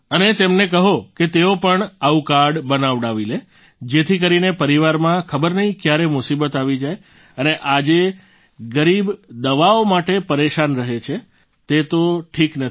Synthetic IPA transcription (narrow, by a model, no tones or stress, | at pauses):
ənet̪emnekəɦoket̪eopəɳaũkaɾɖbənaʋɽaʋile | d͡ʒet̪ʰikəɾinepəɾiʋaɾmãkʰəbəɾnəɦĩkjaɾemʊsibət̪aʋid͡ʒaj | əneʔad͡ʒe | ɡəɾibd̪əʋaomaʈepəɾeʃanɾəɦet͡ʃʰe | t̪et̪oʈʰiknət̪